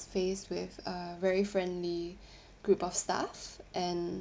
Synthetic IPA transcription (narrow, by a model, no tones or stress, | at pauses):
festwɪθəvɛɹifɹɛ̃ndli | ɡ̥ɹupɔfsta̰fʔɛ̃n